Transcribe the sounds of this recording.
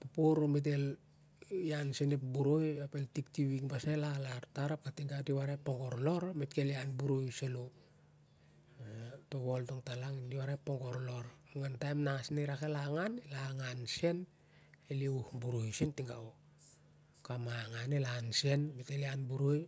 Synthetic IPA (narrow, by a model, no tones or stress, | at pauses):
pupuɾmet̬el | jansenepbuɾojapeltiktiβiŋbasalalaɾtaɾap̚katiŋɡatiβaɾepːoŋɡoɾlo̞ɾmetkelianbuɾojselo | toβoltoŋtalaŋindiwaɾaepːoŋɡoɾloɾuŋantajmnaŋasniɾakelaŋanelaŋanse̞n | eliuhbuɾojsentiŋɡa̰o | kamaŋanelanse̞nmeteleanbuɾoj